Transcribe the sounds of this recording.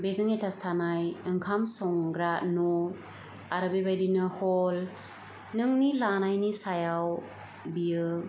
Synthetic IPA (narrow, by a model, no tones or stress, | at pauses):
bezɯŋetʰastʰanajɯŋkʰamsɔŋɡɾano | aɾabebajdinɯhɔl | nɯŋnilanajnisajaw | bijɯ